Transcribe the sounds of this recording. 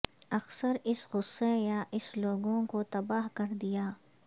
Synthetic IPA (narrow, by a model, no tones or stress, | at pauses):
ɐksəɾɪsɣʊsːejaʔɪsloːɡõkot̪ɐbaːɦkɐɾd̪ijaː